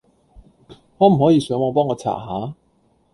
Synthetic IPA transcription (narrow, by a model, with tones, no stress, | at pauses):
ŋɔ˨˧m̩˨˩hɔː˨˥jiː˨˧sœ˨˧˥ŋwɔː˧p̬ɔː˥ŋɔː˧t͡sʰa̰ː˨˩haː˨˥